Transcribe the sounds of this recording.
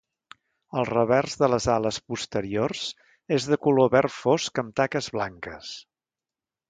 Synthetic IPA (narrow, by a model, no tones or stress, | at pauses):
əlˠrəβɛrzðələzaləspust̪əɾiorz̥ | ezðəkuloβɛrfoskəmt̪akəzβlaŋkəs